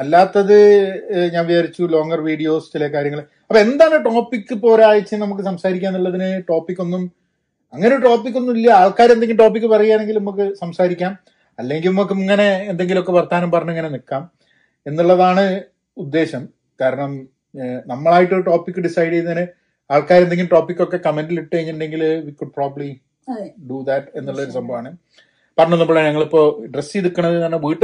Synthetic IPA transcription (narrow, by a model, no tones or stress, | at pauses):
ɐlːaːt̪ːɐðɨɲaːnʋit͡ɕaːɾit͡ɕːulo̞ːŋɡɐrʋiːɽijo̞ːst͡ɕilɐkaːɾjɐŋːɐɭ | ɐpːoe̞nd̪aːɳɨʈo̞ːpːikːɨpo̞ːɾaːjit͡ɕːɨnɐmuk̬ːɨsɐmsaːɾikʲːaːenːuɭːɐðinɨʈo̞ːpːikʲːo̞nːum | ɐŋːɐneʈo̞ːpːik̬ʲːo̞nːumilːjɐaːɭkaːɾnd̪eŋɡilʈo̞ːp̬ːikːɨpɐrɐjːaːne̞ŋɡilnumɐk̬ːɨsɐmsaːɾikʲːaːm | ɐlːe̞ŋɡilumɐk̬ːɨŋːɐne̞ːnd̪e̞ŋɡilokːe̞pɐrt̪aːnumpɐrɐɲːueŋːɐnenikːaːm | e̞nːuɭːɐðaːɳɨ | ud̪ːe̞ːɕɐm | kaːɾɐɳɐm | nɐmːɐɭaːjiʈːoʈo̞ːpːikːɨɖisɐjɽejnɐnɨ | aːɭkaːɾeneŋɡilʈo̞ːpːikːo̞kːe̞kɐmenɖiliʈːɨkɐjiɲːiʈuɳɖe̞ŋɡilʋikuɖ̚praːbɐli | ɖuðɐʈe̞nːuɭːɐðo̞ɾusɐmbɐʋaːɳɨ | pɐrɐɲːonːumboɭːeɲɐŋːɐɭipːo̞ːɖresːiðukːɐɳɐðɨɐnɐʋiːʈːɨ